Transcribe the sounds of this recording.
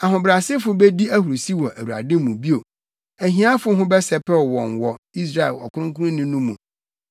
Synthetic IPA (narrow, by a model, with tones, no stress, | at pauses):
a˨ɦʊ̃˨bɾa˨sɪ˦fʊ˨˦bɛ˦di˦æ˦hu˨ɾo˨si˦wɔ˨ʔæ˨wu˨ɾa̰˨dɪ̃˦mũ˨bi˦o˨ | æ˨ɦĩ˦ã˦fʊ˦ɦʊ̃˦bɛ˦sɛ˦pʰɛ˦˨wɔ̃˨nwɔ˨ | i˦s̬ɾa˨ɛ̰˨lɔ̰˨kʰʊ˦ɾʊ̃˦kũ˦nʊ̃˦nʊ̃˦nũ˦mũ˨